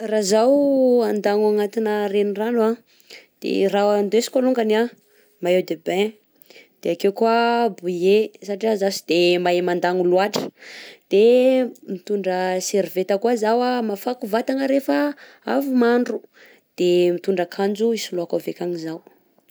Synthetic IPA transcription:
razawand̪aŋaŋat̪inərenirana | d̪̥ḛraand̪esi̥kaluŋɡana | maewd̪ebẽ | d̪̥eakewkwabujesaʈ͡ʂiazasid̪̥emaemand̪aŋuluaʈ͡ʂə̥d̪̥emit̪uɳɖ͡ʐəseɾivet̪əkwazawamafakuvat̪aŋəɾefa | avumaɳɖ͡ʐu | d̪̥emit̪uɳɖ͡ʐəkʰand͡ʒuisuloakavekaŋizaw

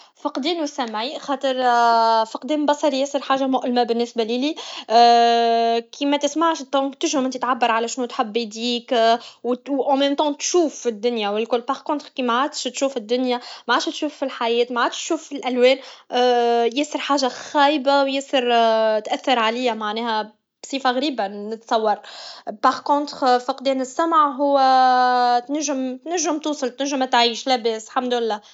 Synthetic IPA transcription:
fiqd̪iːnusæmʕixɑːt̪ˤəɾˤfiqd̪ɛːmbɑsˤɑɾijɛsəɾħaːʒamʊʔlmæbɪnːɪsbælili | kʰimɛt̪ɪsmaʕʃd̪ɑ̃ːkt̪ɪʒʊmʔɪnt̪it̪ʕabːəɾˤʕalæʃnut̪ħabːid̪iːkwwʔɑ̃mɛːmt̪ɑ̃t̪ʃuːfːid̪ːʊnjawɪlkʊlːpɑʁkõnt̪ʁkimaʕad̪ʃt̪ʃuːfɪd̪ːʊnjamaʕaːd̪ʃht̪ʃuːfːilħajɛːt̪maʕaːd̪ʃʃuːfːilʔælwɛːn | jɛːsəɾˤħaːʒaxæːjbawjɛsəɾt̪ʔæθːəɾˤʕaliːæmaʕnɛːhæ | b̥sˤiːfaɣɾiːbanɪt̪sˤɑwːɑɾˤpɑʁkõːt̪ʁfiqd̪ɛːnɪsːæmʕɦʊwːæ | t̪næʒːɪmt̪næʒːɪmt̪uːsˤɨlt̪næʒːɪmæt̪ʕiːʃlæbɛːslħamd̪ʊɪlːɛː

